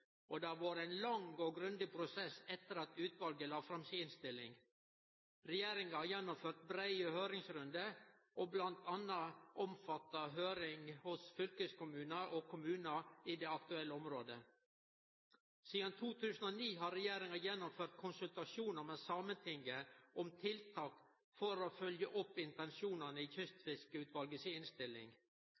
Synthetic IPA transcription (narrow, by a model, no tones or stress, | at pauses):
ʔɔd̪æːɾʋɑːɾæɪnlɑŋɔɡɾʉnd̪ɪpʰɾʊsɛsːɛt̪ːəɾɑt̪ʉːt̪ʋɑlɡəlɑːfɾɑmsiːɪnst̪ɪlːɪ̰ŋ | ɾɛjeːɾɪŋɑhɑjɛnːʊmføːɾʈ̪̚bɾæɪəhøːɾɪŋsɾʉnd̪əʔɔblɑnt̪ʰɑnːɑʔɔmfɑt̪ːɑɦøːɾɪŋhʊsfʏlkəskʊmʉːnəʔɔkʰʊmʉːnəiːd̪eːɑkt̪ʉɛlːəɔmɾoːd̪ə | siːd̪ɑnt̪ʰuːt̪ʰʉːsən̩oːniːɦɑːɾɛjeːɾɪŋɑjɛnːʊmføːɾt̪̚kʰʊnsʉlt̪ɑʃuːnəɾmeːsɑmənt̪ʰɪŋɡəʔɔmt̪ʰɪlt̪ʰɑːk | fɔɾoːfœljəʔʊpːɪnt̪ɛnʃuːnɑnəɪːçʏst̪fɪskəʉːt̪ʋɑlɡəsɪɪnst̪ɪlːɪ̰ŋ